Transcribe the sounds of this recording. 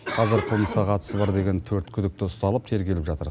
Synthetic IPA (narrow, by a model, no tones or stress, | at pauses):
qʰɑzɪɾqʰəlˠməsqɑqʰɑt̪ə̥səbɑɾd̪e̞ɡʲe̞nt̪ʰɵɾt̪kʲʰʏd̪ɪk̚t̪ɪʊst̪ɑlˠəp̚t̪ʰe̞ɾɡʲelɪpʒɑt̪əɾ